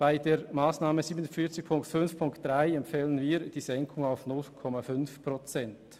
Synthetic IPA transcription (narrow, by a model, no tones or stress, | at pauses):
b̥aɪdeːɾmaːsnaːməziːbənʊnfiɐt͡sɪçpʰʊŋktfʏnfpʰʊŋktd̥ʁaɪɛmpfɛːlənviːɾd̥iːzɛŋkʰʊŋaʊfnʊlkʰɔmafʏnfpʁ̥ot͡sɛnt